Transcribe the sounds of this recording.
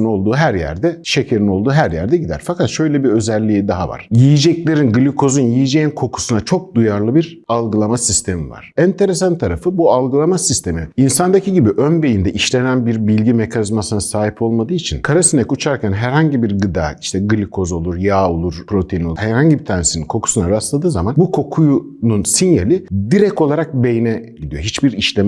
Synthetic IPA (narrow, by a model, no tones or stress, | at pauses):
no̞lˠd̪uːɦæɾjæ̰ɾd̪ɛʃecʰeɾino̞lˠd̪uːɦæɾjæ̰ɾd̪ɛɟid̪æ̰ɾfakat̪ʃø̞jlʲɛbiø̞zɛlʲːijid̪aɦava̰ɾ̥jijid͡ʒɛclʲe̞ɾinɡɯlʲikʰo̞zunjijid͡ʒejinkʰo̞kʰu̥sunat͡ʃʰo̞k̚d̪ujaɾlˠɯbiɾ | alˠɡɯlˠamasist̪ʰe̞miva̰ɾ̥ɛnt̪ʰe̞ɾesant̪ʰaɾafɯbualˠɡɯlˠamasist̪ʰe̞miinsand̪acʰiɟibiʔønbe̞jind̪ɛʔiʃlʲenænbiɾbilʲɟime̞kʰanizmasɯnasaːɦipʰo̞lˠmad̪ɯːit͡ʃʰinkʰaɾasinɛkut͡ʃʰaɾcʰænɦæɾhaɲɟibiɾɡɯd̪a̰ːiʃt̪ʰɛɡɯlʲikʰo̞zo̞lˠuɾjaːo̞lˠuɾ̥pʰɾo̞t̪ʰejinohæɾhaɲɟibit̪ʰaːɾnesininkʰo̞kʰu̥sunaɾast̪ˠad̪ɯːzamanbukʰo̞kʰuju | nunsinjelʲid̪iɾɛko̞lˠaɾak̚be̞jinɛɟid̪ijo̞ɦit͡ʃbiɾiʃlʲɛ